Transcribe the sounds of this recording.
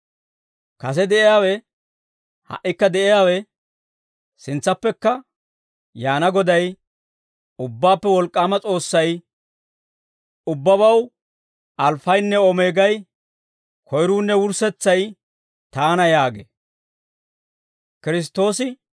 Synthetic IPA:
kɐs̬ɛd̪ɛʔɪjaːwɛ | hɐ̰ʔːɪkːɐd̪ɛʔɪjaːwɛ | sɪnt͡sːɐpːɛkːɐ | jaːnɐɡɔd̪ɐj | ʊbːaːpːɛwɔlkʼːaːmɐt͡sʼo̞ːsːɐj | ʊbːɐβɐw | ʔɐlfɐjnːɛɔmeːɡɐj | kʰɔjɾuːnːɛwʊɾsɛt͡sːɐj | t̪aːnɐjaːɡḛ | kɪɾɪs̬t̪ːo̞ːsɪ

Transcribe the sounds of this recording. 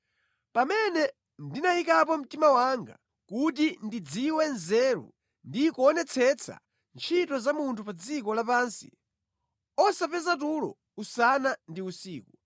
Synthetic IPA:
pamɛnɛ | ndinajikapɔm̩timawaŋɡa̰ | kutindid͡ziwɛnzɛːɾṵ | ndikuɔnɛt͡sʰɛt͡sʰa̰ | nt͡ʃʰitɔzamuntʰupad͡zik̬ɔlapaːnsi̥̰ | ɔsapɛzat̬ulɔ̰ | usanandiusiːku

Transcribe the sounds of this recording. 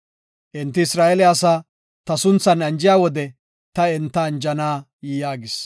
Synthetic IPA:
ʔɪnt̪ːɪɪsɾaːɛlɛasaː | t̪ɐsʊnt͡sːɐnɐnd͡ʒɪjaːwɔd̪ɛ | t̪ɐɪnt̪ːɐːnd͡ʒɐnaː | jijaːɡɪs

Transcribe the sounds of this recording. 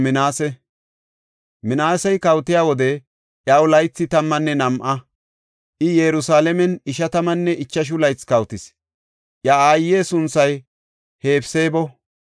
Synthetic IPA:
mɪnaːsɛ | mɪnaːsɛjkɐwt̪ɪjaːwɔd̪ɛ | ʔjɐwlɐjt͡sːɪt̪ɐmːɐnːɛnɐmʔɐ | ʔɪjɛɾʊsaːlɛmɛnɪʃɐt̪ɐmɐnːɛʔɪt͡ʃːɐʃ̬ʊlɐjt͡skɐwt̪ɪs | ʔjɐaːjːeːsʊnt͡sːɐj | he̞ːpseːbɔ

